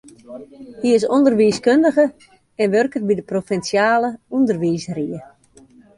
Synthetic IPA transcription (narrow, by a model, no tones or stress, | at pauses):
hiɪs̬ondərʋiːskøndəɣə | ɛnʋørkərbidəprofɛnsjaːləundərʋiːsriə